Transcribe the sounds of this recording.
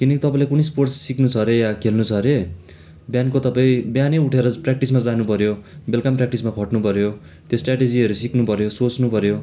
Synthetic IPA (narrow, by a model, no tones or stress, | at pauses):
kinʌkit̪ʌpãĩlekunesporʈssiknut͡sʰʌɾejakʰelnut͡sʰʌɾe | bjankot̪ʌpaĩbjaneuʈʰeɾʌprak̚ʈismad͡zanupʌɾjobelkamprak̚ʈismakʰʌʈnupʌɾjo | t̪josʈraʈed͡ziʌɾusiknupʌɾjosot͡snupʌɾjo